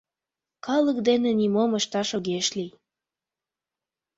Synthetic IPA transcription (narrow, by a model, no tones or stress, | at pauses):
kɑlək̚d̪enenimoməʃt̪ɑʃoɣeʃlij